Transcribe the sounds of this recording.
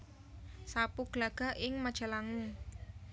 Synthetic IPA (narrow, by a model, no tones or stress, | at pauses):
sapuɡ̥laɡ̥a̤ʔɪŋmad̥ʒ̥a̤laŋu